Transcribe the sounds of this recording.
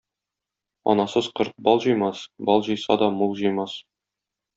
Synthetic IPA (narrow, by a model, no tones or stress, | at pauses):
ɒ̰nɑsɤz̥qɤɾt̪̚bɒlˠʑɤ̆jmɑsbɒlˠʑɤ̆jsɑ̰d̪ɒmulˠʒɤ̆jmɑs